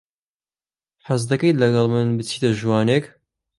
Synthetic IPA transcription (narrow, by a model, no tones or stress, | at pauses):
ħazd̪ɐkɐj̪lɐɡɐlˠmɨnbɨt͡sʰiːt̪ɐʒuwɑːnek